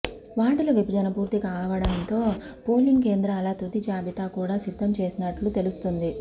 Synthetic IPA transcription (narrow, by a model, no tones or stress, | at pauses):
ʋaːʈulɐʋipid͡ʒɐnɐpuːɾt̪ikaːʋɐɽɐnt̪o̞ːpo̞ːliŋɡke̞ːnd̪ɾɐlat̪ut̪id͡ʒaːbit̪aːkuːɽaːsid̪ʱːɐmt͡ʃe̞ːsinɐʈlut̪e̞lust̪und̪i